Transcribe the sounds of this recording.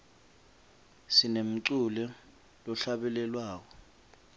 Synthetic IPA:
sinem̩ǀulɛ | lɔɬaɓɛlɛlwaːk̬ɔ

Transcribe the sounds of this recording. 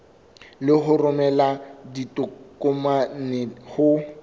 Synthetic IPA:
lɪɦʊrʊmɛladitʼʊkʼʊmanɪhʊ

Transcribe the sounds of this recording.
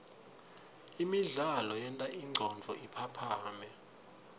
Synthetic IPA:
imiɮalɔjɛntʼaʔiŋ͡ǀʱɔnd͡vʱɔipʰapʰaːmɛ

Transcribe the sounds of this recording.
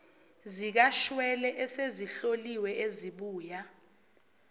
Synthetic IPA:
zik̬aʃwɛlɛʔɛseziɬoliwɛʔeziɓuːja

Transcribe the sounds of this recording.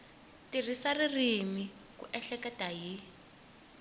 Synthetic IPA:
tir̤isaririmi | kṵʔɛɬɛkɛtaɦi

